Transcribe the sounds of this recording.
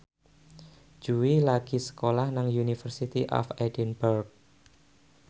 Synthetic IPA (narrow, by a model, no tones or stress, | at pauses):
d͡ʒ̥uwilaɡ̥isə̥kolahnaŋjunifərsit̪iʔɔ̰fɛdinburk̚